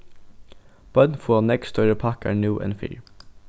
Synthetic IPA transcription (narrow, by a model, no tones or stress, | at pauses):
b̥œd̪n̩fɔːnɛɡst̪œɹəpʰɑkæ̰ːnjuːʔɛ̰̃nfḭːɹ